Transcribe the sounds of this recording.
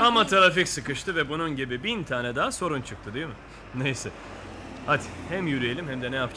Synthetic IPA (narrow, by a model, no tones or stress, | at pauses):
amat̪ʰaɾaficsɯkɯʃt̪ʰɯvɛbununɟibibint̪ʰaːnɛd̪aːso̞ɾunt͡ʃʰɯk̚t̪ʰɯd̪yjomʊ | nejsɛ | hat̪ʲhɛmjyɾije̞lʲimhɛmd̪ɛnɛjap